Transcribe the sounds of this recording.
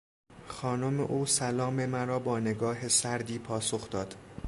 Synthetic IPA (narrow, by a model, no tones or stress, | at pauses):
xɒːnomḛʔuːsælɒːme̞mæɾɒːbɒːneɡɒːɦe̞sæɾd̪iːpʰɒːso̞xd̪ɒːd̪̥